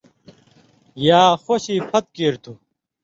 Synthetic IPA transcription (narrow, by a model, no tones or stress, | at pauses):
jaːxoɕiːpʰɐt̪̚keːɾt̪ʰu